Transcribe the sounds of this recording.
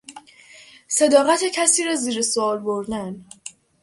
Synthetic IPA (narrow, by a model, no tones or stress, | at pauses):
se̞d̪ɒːɣæt̪ʰecʰæsiːɾɒːziːɾesoɒːlboɾd̪æn